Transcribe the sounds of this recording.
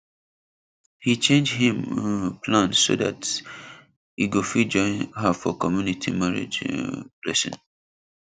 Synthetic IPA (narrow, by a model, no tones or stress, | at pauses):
hit͡ʃẽnd͡ʒɦĩmpʰlãnso̰da̰t | iɡofid͡ʒɔ̃ɪnhəfɔkɔmjunitʰimaɹḛd͡ʒ̰blɛsḭ̃n